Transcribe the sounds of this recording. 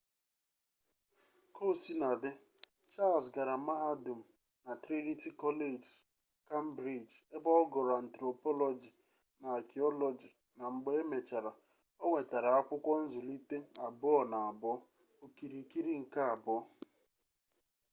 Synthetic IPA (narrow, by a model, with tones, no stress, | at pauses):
ko˦˨si˦na˨dɪ˦ | t͡ʃa˦˨lsɡa˨ɾa˨ma˦ɦa˦du˨m̩˨ | na˨tɾe˦ɾi˦ti˦kɔ˦le˦˨d͡ʒ | ka˦m̩˦bɾi˨d͡ʒe˦bɔ˦ɔ˦ɡɔ˨ɾa˨n̩˨tɾo˨pɔ˦lɔ˦d͡ʒi˨ | na˨a˨ki˨ɔ˦lɔ˨d͡ʒi˨ | na˨ŋ͡m̩˨ɡ͡be˦e˦me˨t͡ʃa˨ɾa˨ | o˦ŋʷe˨ta˨ɾa˨a˦kʷʊ˦kʷɔ˦n̩˦zʊ˨li˦te˦a˨bʊ˦ɔ˦na˨a˨bɔ˦ | o˨ki˨ɾi˨ki˦ɾi˦ŋ̩˨ka˦a˨bɔ˦